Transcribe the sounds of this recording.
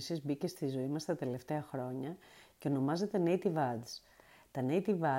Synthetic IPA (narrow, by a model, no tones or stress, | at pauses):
sizbice̞st̪izo̞imɐst̪ɐt̪e̞le̞ft̪e̞ɐxɾo̞ɲɐceo̞no̞mɐze̞t̪eneit̪ivɐd̪s | t̪ɐnejt̪ivɐ